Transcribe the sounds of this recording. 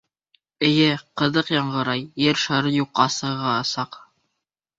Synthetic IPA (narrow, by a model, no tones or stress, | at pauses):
ɘ̆jɘqɤ̆ðɤqjɑɴɢɤ̆ɾɑjːɘɾʃɑɾɤjuqːɑsɤ̆ʁɑːsɑq